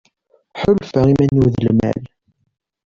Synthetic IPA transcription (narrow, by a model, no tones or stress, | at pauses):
ħʊlfəʁimænuðəlmæ̰l